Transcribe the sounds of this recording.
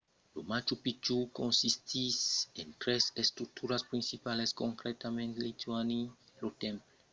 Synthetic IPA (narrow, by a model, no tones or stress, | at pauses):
lumat͡ʃupit͡ʃukɔ̃nsistisɛ̃ntɹɛsɛstɾuk̚tʰuɹaspɹĩnsipalɛskɔ̃ŋkɾɛtamɛ̃ntlitʰuaniɹotɛ̃mp